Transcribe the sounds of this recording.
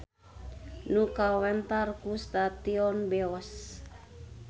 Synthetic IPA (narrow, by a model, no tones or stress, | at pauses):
nukawɛnt̪arkust̪at̪iɔnbɛɔs